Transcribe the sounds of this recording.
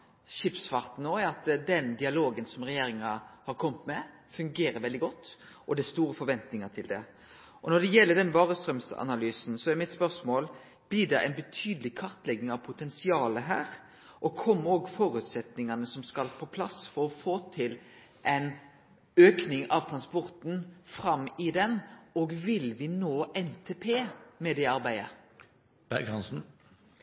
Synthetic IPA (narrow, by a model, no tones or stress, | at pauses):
ʃɪpsfɑɾt̪n̩oːæɾɑt̪d̪ɛnd̪ɪɑloːɡənsɔmɾɛjeːɾɪŋɑhɑɾkʰɔmːət̪mɛ | fʉŋɡeːɾəɾʋɛld̪ɪɡɔt̪ː | ʔɔd̪ɛst̪uːɾəfɔɾʋɛnt̪nɪŋɑt̪ʰɪld̪ɛ | ʔɔnɔd̪ɛjɛlːəɖɛnʋɑːɾəst̪ɾœmsɑ̰nɑlyːsn̩sɔɛɾmɪt̪spœɾsmoːl | b̥lɪdɛʔæ̰ɪnbət̪ʰyːd̪əlɪkʰɑɾt̪lɛɡnɪŋɑʋpʰʊt̪ʰɛnsɪɑːləɦæːɾ | ʔɔkʰɔmːoːɡfɔːɾʉt̪sɛt̪nɪŋɑnəsɔmskɑlpʰɔpʰlɑsfɔɾɔfoːt̪ʰɪl | ʔɛɪn | øːknɪŋɑʋt̪ʰʁɑnspɔɾt̪n̩fɾɑmːɪd̪ɛmɔɡʋɪlʋɪnoːʔɛnt̪ʰeːpʰeːmɛːd̪ɛɑɾbæɪə | b̥æɡɑnsn̩